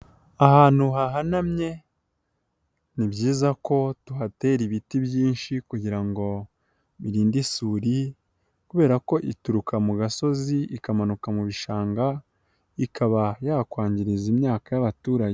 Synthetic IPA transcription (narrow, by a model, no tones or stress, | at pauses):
ahaːn̥huɦaɦanamɲe̞ | nibɟiːzako̞tuɦate̞ːɾiβitibjiːnʃikuɟiɾaŋɡo̞ | βiɾiːndisuːɾi | kuβe̞ːɾako̞ʔituɾukamuɡaso̞ziikamanukamuβiʃaːŋɡa | ikʰaβajakwaːɲɟiɾizimɲaːkajaβatuːɾaje